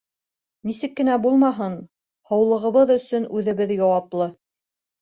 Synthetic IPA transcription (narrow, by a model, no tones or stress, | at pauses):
nisɘkːɘ̆næbulˠmɑɦɤn | hɤ̆wlˠɤ̆ʁɤ̆βɤðɵ̆sɵnʉðɘ̆βɘðjɑwɑplˠɤ